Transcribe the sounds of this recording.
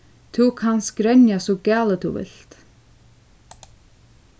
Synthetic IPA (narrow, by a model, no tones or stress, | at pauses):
t̪ʰukʰanskɾɛnjasɔkaːlət̪ʰṵvɪ̰l̥t̪